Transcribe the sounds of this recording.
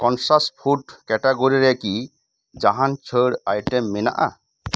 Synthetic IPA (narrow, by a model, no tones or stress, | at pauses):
kɔnsaspʰuʈkɛʈaɡoɾiɾɛki | d͡ʒaɦant͡ʃʰəɽajʈɛmːena̰ʔa̰